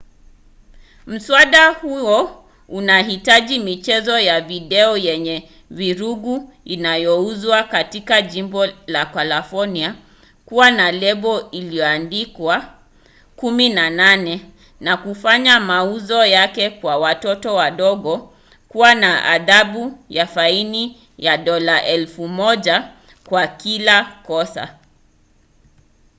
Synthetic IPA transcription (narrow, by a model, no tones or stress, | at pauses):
m̩swaɗahuɔ | unahitaʄimit͡ʃɛzɔjaviɗɛɔjɛɲɛ | viɾuɡu | inajɔuzwakatikaʄimbɔlakalafɔnia | kuwanalɛɓɔiliɔandikwa | kuminananɛ | nakufaɲamauzɔjakɛkwawatɔtɔwaɗɔɠɔ | kuwanaʔa̰ðaɓujafaini | jaɗɔlaʔɛlfumɔʄa | kwakilakɔsa̰